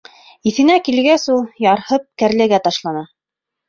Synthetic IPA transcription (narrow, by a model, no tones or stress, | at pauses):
iθɘ̆nækilɡæsulˠjɑɾhɤp̚kæɾlɘ̆ɡæt̪ɑʃlˠɑnɑ